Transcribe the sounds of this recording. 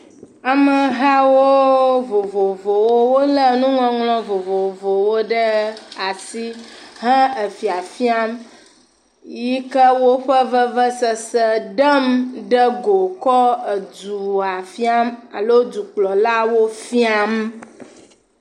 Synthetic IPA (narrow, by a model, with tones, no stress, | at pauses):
a˨mə˨ɦa˦wo˦vo˨vo˨vo˨wo˦wo˦lə˦nũ˦ŋɔ̃˦ŋlɔ̃˦vo˨vo˨vo˨wo˦ɖə˦a˨si˦ɦə̃˦ə˨fi˨a˨fi˦a˦m | ji˦kə˦wo˦ɸə˦və˦və˦sə˨sə˦ɖə˦mɖə˦ɡo˨kɔ˦ə˨d͡ʒu˨a˨fi˦a˦ma˨lo˦d͡ʒu˨k͡plɔ˨la˦wo˦fi˦a˦m